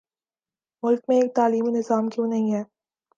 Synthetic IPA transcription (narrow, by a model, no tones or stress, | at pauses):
mʊlk̚mẽeːk̚t̪aːliːmenɪzaːmkjõnɐɦĩɦɛː